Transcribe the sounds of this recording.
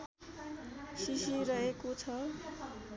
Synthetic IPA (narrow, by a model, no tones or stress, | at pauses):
sisiɾʌɦekot͡sʰʌ